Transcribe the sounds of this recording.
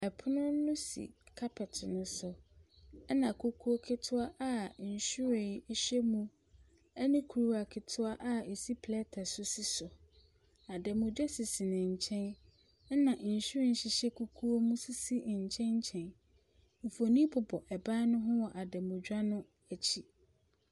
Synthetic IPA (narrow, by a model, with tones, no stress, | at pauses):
ɛ˨pʰʊ˦nʊ̃˦nʊ̃˦sḭ˨kʰa˦pʰɪ˨tʰɪ˨nʊ̃˦sʊ˨˦ | nã˨kʰu˦kʰu˦o˦kʰɪ˦tʰʊ˦a˦ʔa˦˨˦n̩˨ɕu˦ɾɪ̃˨˦ɕᶣɛ˦mũ˦ | ɛ˦nʊ̃˦kʰu˨u˨˦a˨kʰɪ˨tʰʊ˦a˦ʔa˦˨e˨si˦pʰlɛ˦tʰa˨sʊ˦si˦sʊ˨ | a˨dɛ˨mʊ̃˨d͡ʑᶣa˦si˨si˨nɪ̃˨ɲ̩˨t͡ɕʰɛ̃˦n | ɛ˦nã˨ʔn̩˨ɕu˦ɾɪ̃˨n̩˦ɕɪ˨ɕɛ˦kʰu˦kʰu˦o˦mũ˦si˦si˦˨ɲ̩˨t͡ɕʰɛ̃˦ɲ˦t͡ɕʰɛ̃˨n | m̩˨fo˨nĩ˦bʊ˨bɔ˨ʔɛ˨ba˦nʊ̃˦ɦʊ̃˦wɔ˨ʔa˨dɛ˨mʊ̃˨d͡ʑᶣa˦nʊ̃˦ | æ˨t͡ɕʰi˦